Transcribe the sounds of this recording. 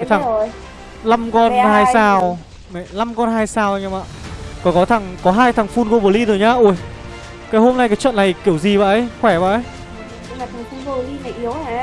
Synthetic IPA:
ka˨˦t̪ʰa˨˩˨j | la˧mkɔ˧nhaː˧jsaː˧˩w | mɛ˧˨˩la˧mkɔ˧nɦaː˧jsaː˧˩wɲa˧ma̰ː˧˨kɔ˨˩˦kɔ˨˦t̪ʰa˨˩ŋkɔ˨˦ɦaː˧jt̪ʰa˨˩ŋfu˧nko˧ɓo˨˩li˧zo˨˩jɲaː˧˦ʔu˧˩ə˨j | kaː˨˦jho˧mna˧jkaː˨˦jt͡ɕwə̰˧˨nːa˨˩jki˧˩əwzi˨˩va̰ː˧˨ʔə˧˦jxwɛ˧˩va̰ː˧˨ʔə˦j | aː˨˩t̪ʰa˨˩ŋfu˧no˧˨li˧ma˨˩ʔi˨˦əw

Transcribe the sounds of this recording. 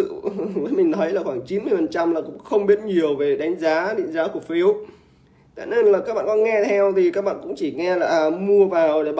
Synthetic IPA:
ɨ̰˧˨vəː˨˦jmï˨˩ŋnɔ˨˦jlaː˨˩xwaː˧˩ŋt͡ɕi˨˦nmɨ˧əjfə˨˩nt͡ɕa˧mlaː˨˩kʊ̰˧˥ŋ͡mxə˧wŋ͡mɓi˦˥ət̚ɲi˨˩əwve˨˩ɗa˨˦jŋ̟zaː˨˦ɗḭ˧˨˦ŋzaː˨˦ku˧˩əfi˨˦əw | t̪a̰ː˧˨ne˧nlaː˨˩kaː˦˥ɓa̰ː˧˨kɔ˨˦ŋɛ˧t̪ʰɛ˧wt̪ʰi˨˩kaː˦˥k̚ɓa̰ː˧˨kʊ̰˧˥ŋ͡mt͡ɕi˧˩ŋɛ˧laː˨˩ʔmu˧əvaː˨˩wɗe˧˩ɓ

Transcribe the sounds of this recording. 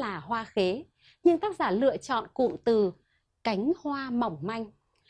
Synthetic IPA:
laː˨˩hwaː˧xe˨˦ | ɲɨ˧ŋt̪aː˦˥k̚zaː˧˩lɨ̰˧˨ət͡ɕɔ̰˧˨nkṵ˧˨ŋt̪ɨ˨˩ | ka˨˦jŋ̟hwaː˧ma˨˩wŋ͡mma˧jŋ̟

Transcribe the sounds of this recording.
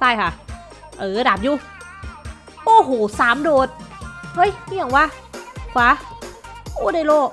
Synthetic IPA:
saː˧˩jkʰa˧˩ | ʔɤː˨˩˧daː˨˩p̚juː˧˩ | ʔoː˧˩ɦoː˨˩˦saː˨˩˦mdoː˧˩t̪̚hɤ˦˥˨jhi˧˩ə˨ŋwaː˧˥˩ | kʰwaː˨˧˥ | ʔoː˧˩daː˧˥˩jloː˧˩

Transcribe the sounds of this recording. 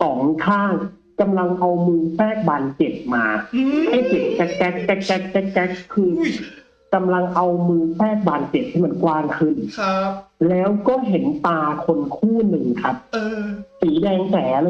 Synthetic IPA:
sɔː˩˦ŋkʰaː˥˩ŋ | ka˧mla˧ŋʔa˧wmɯː˧fɛː˥˩k̚baː˨nt͡ɕe˨˩p̚maː˧ha˥˩jt͡ɕe˨˩p̚t͡ɕɛ˦˥k̚t͡ɕɛ˦˥k̚t͡ɕɛ˦˥t͡ɕɛ˦˥k̚t͡ɕɛ˦˥t͡ɕɛ˦˥kʰːɯː˧n | ka˧mla˧ŋʔa˧wmɯː˧fɛː˥˩k̚baː˨˩nt͡ɕe˨˩p̚t̪ʰi˥˩m˧˩˦nkwaː˧ŋkʰɯ˧n | lɛː˦˥wkɔː˥˩ɦe˩˦nt̪aː˧kʰo˧nkʰuː˥˩nɯ˨˧ŋkʰa˦˥p̚ːsiː˩˦dɛː˧ŋsɛː˩˦l

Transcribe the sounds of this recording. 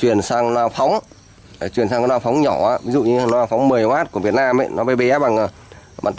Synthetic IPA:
t͡ɕwi˨˩ənsaː˧ŋnaː˧fa˨˦wŋ͡m | t͡ɕwi˨˩ənsaː˧kɔ˧˦nwaː˧fɔ˨˦wŋ͡mɲɔ˧˩aː˧˦vi˨˦zṵ˧˨ɲɨ˧nɔ˨˦laː˧˩fa˨˦wŋ͡mmɨ˨˩əjʔaː˦˥t̚ku˧˩əvi˨˩ət̚naː˧mə̰˧˨jnɔ˨˦ɓe˧jɓe˧˦a˦ɓa˨˩ŋə˨˩ | ɓa̰˧˨nt̪

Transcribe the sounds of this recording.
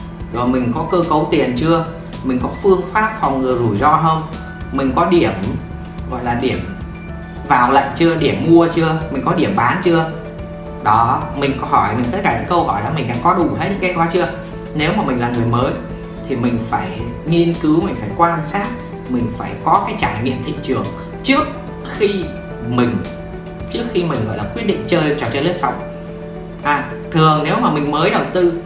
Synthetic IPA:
zo˨˩jmï˨˩ŋ̟kɔ˨˦kəː˧kə˨˦wt̪i˨˩ənt͡ɕɨ˧ə | mï˨˩ŋ̟kɔ˨˦fɨ˧əŋfaː˦˥p̚fa˨˩wŋ͡mŋɨ˨˩əjzu˧˩jzɔ˧ɦə˧wŋ͡m | mï˨˩ŋ̟kɔ˨˦ɗi˧˩əm | ɣɔ̰˧˨jlaː˨˩ɗi˧˩əm | vaː˨˩wlə̰˧˨ŋ̟t͡ɕɨ˧əɗi˧˩əmːu˧ət͡ɕɨ˧əmï̟˨˩kɔ˨˦ɗi˧˩əmɓaː˨˦nt͡ɕɨ˧ə | ɗɔ˨˦mï˨˩ŋ̟kɔ˧˦ɦɔ˧˩jmi˨˩ŋ̟t̪ə˦˥t̚kaː˧˩ɲɨ̰˧˥kə˧wɦɔ˧˩jɗɔ˨˦mï˨˩ŋ̟ɗa̰ː˧˥ŋkɔ˨˦ɗu˧˩he˦˥t̚ɲɨ̰˧˥kːaː˨˦jkwaː˨˦t͡ɕɨ˧ə | ne˨˦wmaː˨˩mi˨˩laː˨˩nŋɨ˨˩əjməː˨˦j | t̪ʰi˨˩mï˨˩ŋ̟faː˧˩j | ŋi˧ənkɨ˨˦wmï˨˩ŋ̟faː˧˩jkwaː˧nsaː˦˥t̚ | mï˨˩ŋ̟faː˧˩jkɔ˨˦kaː˨˦jt͡ɕaː˧˩jŋḭ˧˨əmt̪ʰḭ˧˨t͡ɕɨ˨˩əŋ | t͡ɕɨ˦˥ək̚ | xi˧ | mï˨˩ŋ̟ | t͡ɕɨ˦˥ək̚xi˧mï̟˨˩ɣɔ̰˧˨jlaː˨˩kwi˦˥t̚ɗḭ̈˧˨ŋ̟t͡ɕəː˧jt͡ɕɔ˧˩t͡ɕə˧jlə˦˥ətsa˨˦˩wŋ͡m | ʔaː˨˩ | t̪ʰɨ˨˩əŋne˨˦wmaː˨˩mï˨˩ŋ̟məː˨˦jɗə˨˩wt̪ɨ˧

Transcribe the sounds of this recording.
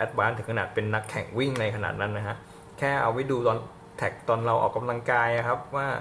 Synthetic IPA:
ʔɛ˦˥t̪̚baː˨˦˥nt̪ɯ˩˦kʰnaː˨˩t̪̚pe˧nːa˦˥kʰːɛ̰˨˩˦ŋwi˥˩ŋna˧jkʰa˧na̰ː˨˩t̪̚na˦˥nːa˦˥kʰa˦˥ʔ | kʰɛː˥˩ʔa̰˧wːi˦˥duː˧t̪ɔː˧n | t̪ʰɛ˨˩k̚t̪ɔː˧nɾa˧wʔɔ̰ː˨˩kːa˧mla˧ŋkaː˧ja˨kʰa˦˥p̚waː˥˩

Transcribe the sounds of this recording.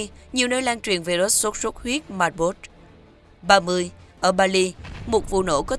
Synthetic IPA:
ɲi˨˩əwnəː˧jlaː˧ŋt͡ɕwḭ˨˩ənve˨˩zo˨˦˥t̚so˦˥t̚so˦˥t̚hwi˦˥ət̚maː˨˩t̚ɓo˦˥t̚ | ɓaː˧mɨ˧əjʔəː˧˩ɓaː˧li˧mo˨˩t̚vṵ˧˨no̰˧˥kɔ˨˦

